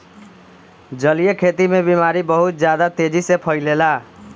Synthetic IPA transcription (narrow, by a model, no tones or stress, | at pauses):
d͡ʒəlijekʰet̪imebimaɾibəɦut̪̚d͡ʒjad̪at̪ed͡ʒisẽpʰəɪlela